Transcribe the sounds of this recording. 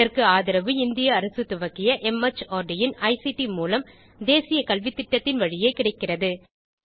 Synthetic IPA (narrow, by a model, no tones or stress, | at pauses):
ɐrkɯaːðɪɾɐʋɯɪnd̪ɪjɐːɾɐsɯt̪ːʊʋɐkːɪjɐʔɛmɐt͡ʃoːɾɖɪjɪnɐɪsiʈimuːlɐm | d̪eːsɪjɐkɐlʋɪt̪ːɪʈːɐt̪ːɪnʋɐɻɪjeɪkɪɽɐɪkːɪrɐðɯ